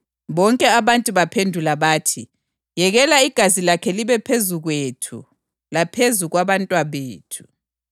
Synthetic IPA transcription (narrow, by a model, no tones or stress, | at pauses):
βɔŋkʼɛaβantʼuβapʰendʱulaβaːtʰi | jɛɣɛlaiɡ̥ʱazilakʰɛliβɛpʰezuɣwetʰṵ | lapʰezuɣwaβantʼwaβeːtʰu̥